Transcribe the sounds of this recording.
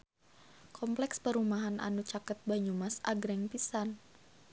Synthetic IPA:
kɔmplɛkspəɾumaɦanʔa̰nut͡ʃakət̪̚baɲumasa̰ɡɾɛŋpisan

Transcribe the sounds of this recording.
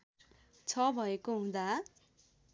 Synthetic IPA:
t͡sʰʌbʱʌekoɦũd̪a

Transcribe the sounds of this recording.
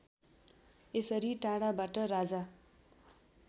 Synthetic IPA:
esʌɾiʈãɽabaʈʌɾad͡za

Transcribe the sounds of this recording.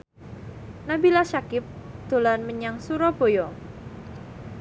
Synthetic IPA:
nabilaʃakɪp̚d̪̥o̤lanməɲaŋsuɾɔb̥o̤jɔ

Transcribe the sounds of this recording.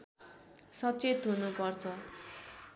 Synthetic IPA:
sʌt͡set̪ɦunupʌrt͡sʰʌ

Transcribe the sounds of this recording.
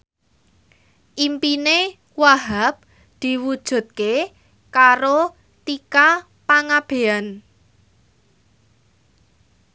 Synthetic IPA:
ʔimpine | waɦap̚ | d̪̥i̤wud̥ʒ̥ṳt̪̚ke | kaɾo | t̪ika | paŋab̥e̤an

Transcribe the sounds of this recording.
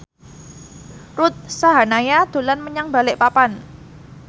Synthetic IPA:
rʊt̪̚saɦanajad̪̥o̤lanməɲaŋba̤lɪʔpapan

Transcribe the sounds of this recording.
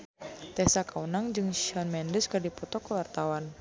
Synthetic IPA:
t̪ɛsakaunaŋd͡ʒɨŋʃiɔnmɛndəskərdipɔt̪ɔkəwart̪awan

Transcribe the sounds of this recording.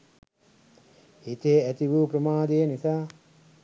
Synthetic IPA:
hit̪eæt̪iʋuːpɾəmaːd̪ejənisaː

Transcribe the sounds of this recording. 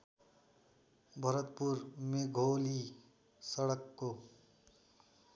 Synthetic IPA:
bʱʌɾət̪puɾmeɡʱoli | sʌɽʌkːo

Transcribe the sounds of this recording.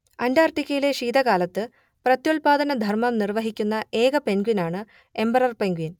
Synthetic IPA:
ɐndaːrʈikʲːɐjile̞ʂiːd̪ɐɣaːlɐt̪ːɨ | prɐt̪jolpaːd̪ɐnɐd̪ʱɐrmɐmnirʋɐɦikʲːunːɐe̞ːɡɐpe̞nɡwinaːɳɨ | e̞mbɐrɐrpeŋɡuin

